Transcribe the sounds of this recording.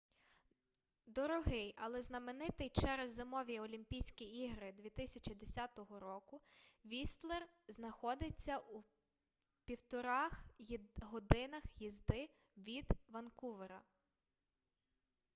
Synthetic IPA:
d̪ɔɾɔɦɪjɐlˠɛznɐmenɪt̪ɪjt͡ʃɛɾezːemɔʋʲiɔlʲimʲpʲijsʲkʲiiɦɾɪd̪ʲʋʲit̪ɪsʲɐt͡ʃʲid̪esʲat̪ɔɦɔɾɔkʊʋʲist̪lˠer | znɐxɔd̪ɪt͡sʲːɐʔu | pʲiwt̪ɔɾɑxɦɔd̪ɪnɐxjizd̪ɪ | ʋʲid̪ʋɐnkuʋeɾɐ̰

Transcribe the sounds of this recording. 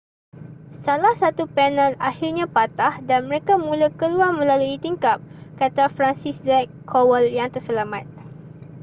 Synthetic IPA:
salahsat̪upɛnəlahirɲãpat̪ahdanməɾekamũlakəluaŋmə̃laluit̪iŋkap̚kat̪afɾansiszɛkʰːowəljaŋt̪ərsəlamat̪̚

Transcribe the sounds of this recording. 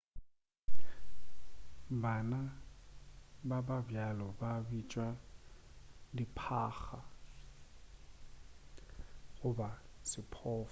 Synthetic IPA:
bana | bababjalɔbabit͡ʃʼwa | dipʰaːxa | ɣʊbasɪpʰɔːf

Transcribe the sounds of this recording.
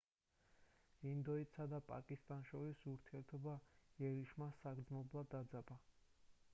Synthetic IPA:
ind̪ɔit̪sad̪apʼa̰kʼist̪ʼanʃɔɾisuɾt̪ʰiɛɾt̪ʰɔbaiɛɾiʃmasaɡɾd̪zmɔblˠad̪ad̪zaba

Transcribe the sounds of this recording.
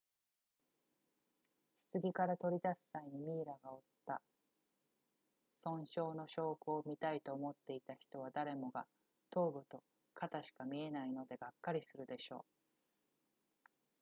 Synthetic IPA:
çɨ̥t͡sɨɡʲikaɾat̪o̞ɾʲid̪asɨ̥ːaiɲ̟imʲiːɾaɡao̞t̪ːa | sõ̞ɰ̃ɕo̞ːno̞ɕo̞ːkɯomʲit̪ait̪o̞ːmo̞t̪ːe̞it̪açi̥t̪o̞β̞ad̪aɾe̞mo̞ɡa | t̪o̞ːbɯ̟t̪o̞ | kʰat̪aɕi̥kamʲie̞naino̞d̪e̞ɡakːaɾʲisɨɾɯ̟d̪e̞ɕo̞ː

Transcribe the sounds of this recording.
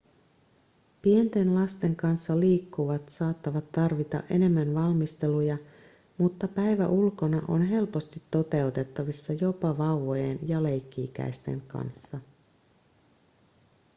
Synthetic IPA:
pie̞nt̪e̞nlɑst̪e̞ŋkɑnsːɑliːkːuʋɑt̪sɑːt̪ːɑʋɑt̪ːɑrʋit̪ɑ̰ʔe̞ne̞mːænʋɑlmist̪e̞lujɑ | mut̪ːɑpæjʋæ̰ʔulko̞nɑʔo̞̰nɦe̞lpo̞st̪it̪ːo̞t̪e̞ut̪et̪ːɑʋisːɑjo̞pɑʋɑwʋojenjɑle̞jkːiːk̟æ̰jst̪e̞̰ŋkɑ̰nsːɑ

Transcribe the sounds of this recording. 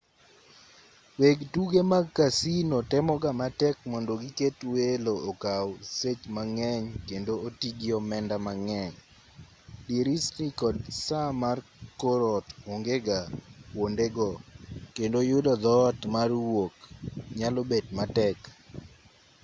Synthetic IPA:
weɡtuɡemaɡ̚kasinotɛmɔɡamatɛk̚mɔndoɡiketweloːkawset͡ʃmaŋɛɲkendootiɡɪɔmɛndamaŋɛɲ | diɾisnikɔdsamar | koɾɔtwoŋɡeɡawondeɡɔkendojʊdɔd̪ɔtmarwokɲalobedmatɛk

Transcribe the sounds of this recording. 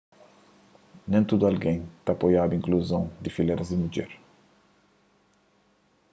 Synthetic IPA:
nẽnt̪ud̪ualɡẽj̃t̪aːpojad̪uĩŋkluzɐ̃w̃d̪ɪfileɾɐzɪmud͡ʒɛ̰ɾ

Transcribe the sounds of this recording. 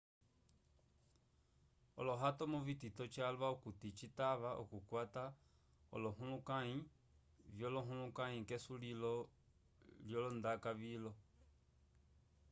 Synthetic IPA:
ɔ̰lɔɦatɔmuvititɔt͡ʃalwaukutit͡ʃitaβaʔɔ̰kukwata | ɔ̰lɔɦulukaɲi | vjɔlɔɦulukaɲĩkesulilɔ | ljɔlɔndakaβilɔ

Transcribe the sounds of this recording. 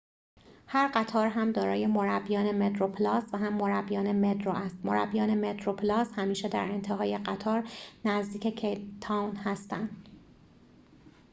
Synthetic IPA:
hæɾɢæt̪ʰɒːɾɦæmd̪ɒːɾɒːje̞mo̞ɾæbːijɒːne̞met̪ɾopʰlɒːsvæɦæmːoɾæbːijɒːne̞met̪ɾoʔæst̪moɾæ̰bːijɒːne̞met̪ɾopʰlɒːshæmiːʃed̪æ̰ɾe̞nt̪ʰeɦɒːje̞ɢæt̪ʰɒːɾnæzd̪iːcʰe̞cʰet̪ʰɒwnhæst̪ænd̪̥

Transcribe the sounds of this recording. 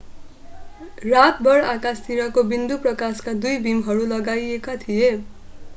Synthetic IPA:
rat̪̚bʌrakast̪iɾʌkobind̪uprʌkaskad̪ujbimɦʌɾulʌɡajekat̪ʰije

